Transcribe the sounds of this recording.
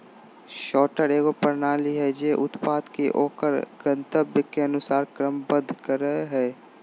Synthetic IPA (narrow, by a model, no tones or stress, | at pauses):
ʃɔːʈəɾeːɡopəɾnaːliɦɛd͡ʒeːʔʊt̪paːd̪keʔoːkəɾɡənt̪əbjəkeənʊsaːɾkɾəmbə̃d̪ʱkəɾəɦɛː